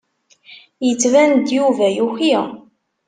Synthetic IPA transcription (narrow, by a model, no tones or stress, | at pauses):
jət͡sːvænd̪juvæjuçi